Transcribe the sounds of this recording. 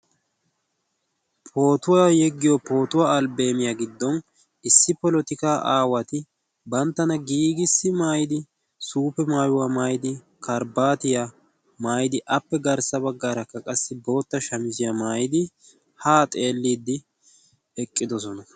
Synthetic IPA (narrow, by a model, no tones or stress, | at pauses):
pʰo̞ːt̪ʊwajɛɡːɪjɔpo̞ːt̪ʊwaɐlbe̞ːmɪjaɡɪd̪ːɔn | ɪsːɪpɔlɔt̪ɪkaːʔaːwɐt̪ɪ | bɐnt̪ːɐnɐɡiːɡɪsːɪmaːjɪd̪ɪ | suːpɛmaːjʊwamaːjɪd̪ɪ | kɐɾbaːt̪ɪja | maːjɪd̪ɪʔɐpːɛɡɐɾsɐbɐɡːaːɾɐkːɐkʼɐsːɪbo̞ːt̪ːɐʃɐmɪzɪjɐmaːjɪd̪ɪ | haːt̪ʼe̞ːlːiːd̪ːɪ | ɛkʼːɪd̪ɔs̬ɔnɐ